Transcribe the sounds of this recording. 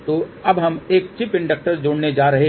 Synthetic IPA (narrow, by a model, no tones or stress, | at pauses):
t̪oːɐbɦɐmeːkt͡ʃɪpɪ̃ɳɖək̚ʈəɾd͡ʒoːɽned͡ʒaːɾɐɦe